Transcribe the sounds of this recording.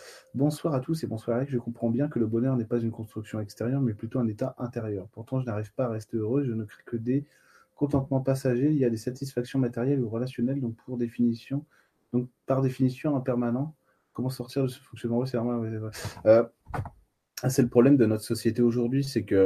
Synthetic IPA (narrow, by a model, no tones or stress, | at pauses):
bɔ̃swaʁat̪usebɔ̃swaʁaɛkʒəkɔ̃pχɑ̃bjɛ̃kələbɔnœʁnɛpazynkɔ̃st̪χyksjɔ̃ɛkst̪eʁjœʁmɛplyt̪oɛ̃net̪aʔɛ̃t̪eʁjœʁpuʁt̪ɑ̃ʒənaʁivpaːʁɛst̪eøʁøeʒənəkχɛ̥kəd̪e | kɔ̃t̪̬ɑ̃t̪mɑ̃pasaʒeiljad̪esat̪isfaksjɔ̃mat̪ɛʁjɛluʁəlasjɔnɛld̪ɔ̃k̚pʰuʁd̪efinisjɔ̃ | d̪̥ɔ̃k̚paʁd̪efinisjɔ̃ɛ̃pɛʁmanɑ̃ | kɔmɑ̃sɔʁt̪iʁd̪əsə̥fɔ̃ksjɔnmɑ̃wɛs̬ɛvʁɛmɑ̃wɛsɛvɛø | sɛləpχɔblɛmd̪ənɔt̪χə̥sɔsjet̪eoʒuʁd̪ɥisɛkə